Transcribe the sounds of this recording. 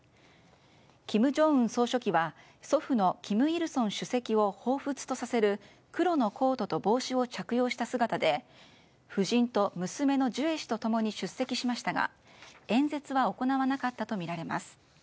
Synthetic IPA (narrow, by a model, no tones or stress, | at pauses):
kʲimɯ̟ʑo̞ːɯ̟̃ɰ̃so̞ːɕo̞kʲiβa | so̞ɸɯ̟no̞kʲimɯ̟iɾɯ̟sõ̞ɰ̃ɕɨse̞kʲio̞ho̞ːɸɯ̟t͡sɨ̥t̪o̞sase̞ɾɯ̟ | kɯ̟ɾo̞no̞kʰo̞ːt̪o̞t̪o̞bo̞ːɕio̞t͡ɕakɯ̟jo̞ːɕi̥t̪asɨɡat̪ad̪e̞ | ɸɯ̟ʑĩnt̪o̞mɯ̟sɨme̞no̞ʑɨe̞ɕi̥t̪o̞t̪o̞mo̞ɲ̟iɕɨsːe̞kʲiɕimaɕi̥t̪aɡa̰ | ẽ̞ñze̞t͡sɨβao̞ko̞naβanakat̪ːat̪o̞mʲiɾaɾe̞masɨ̥